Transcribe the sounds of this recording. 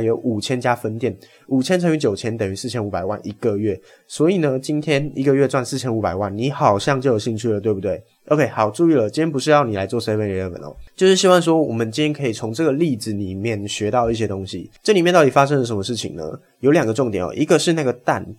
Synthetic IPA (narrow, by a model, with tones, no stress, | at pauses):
jo˧˦˥ʊʔu˨˩t͡ɕʰjɛ˥nt͡ɕja˥fə˦˥nt̪jɛ˥˩n | u˨˩t͡ɕʰjɛ˥nt͡sʰɤ˧˥ŋy˧˥t͡ɕjo˨˩ʊt͡ɕʰjɛ˥nt̪ə˨˩ŋy˧˥sɹ̩˥˩t͡ɕʰjɛ˥nu˧˥pa˨˩ɪwa˥˧nʔi˧˥ɡ̥ə˨ɥɛ˥˩ | swɔ˧˥i˨˩nə˧˦t͡ɕi˦˥nt̪ʰjɛ˥ni˧˥ɡə˧ɥɛ˥˧t͡swa˥˧nsɹ̩ʰ˥˩jɛ˥nu˧˥pa˨˩ɪwa˥˩nni˧˥xɑ˨˩ʊɕjɑ˥˧ŋt͡ɕo˥˩jo˨˩ɕi˥˧ŋt͡ɕʰy˥˩lə˨˩t̪we˥˩ɪbu˧t̪we˥˩ɪ | ʔo˥ʊkʰe˥˩ɪxɑ˨˩ʊʈ͡ʂu˥˧i˥˩lə˨˩t͡ɕi˥njɛ˥np̬u˧˥ʂɻ̩˥˧jɑ˥˩ʊni˨˩la˧˥ɪt͡swɔ˥˩sə˥ɪpe˥nɻɛ˧˥ə˨˩wə̰˨˩nɔ̰˨˦t͡ɕjo˥˧ʊʂɻ̩˥˩ɕ̬i˥wɑ˥˩ŋʂ̬wɔ˥wɔ˨˩mə˨˦nt͡ɕi˥nt̪ʰjɛ˥kʰɤ˧˥i˨˩t͡sʰo˧˥ŋʈ͡ʂɤ˥˩ɡə˩li˥˧d͡zɹ̩˨˩li˨˩mjɛ˥˩nɕɥɛ˧˥t̪ɑ˥˧ʊi˥˩ɕjɛ˥t̪ʊ˥ŋɕḭ˨ʈ͡ʂɤ˥˩˨li˨mɛ˥˧t̪ɑ˥˩t̪i˨˩fa˥ʂ̬ɤ˥ŋd̪ə˨˩ʂə˧˦˥mə˧ʂɻ̩˥˩t͡ɕʰḭ˨˩ŋnə̰˦ | jo˧˥ʊljɑ˨˩ŋɡə˦ʈ͡ʂʊ˥˩ŋt̪jɛ˨˩nɔ̰˨˩ʔi˧˥ɡə˧ʂɻ̩˥˧na˥˩ɡə˩t̪a̰˥˩n